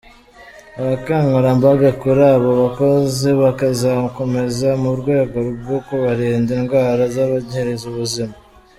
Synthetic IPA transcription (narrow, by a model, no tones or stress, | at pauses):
aβakaːŋɡuɾambaɡakuɾaβo̞βako̞zeβakazako̞me̞zamuɾɡwe̞ːɡo̞ɾub̚ɡokoβaɾiːndiŋɡwaːɾazaβaɟheɾezuβuzima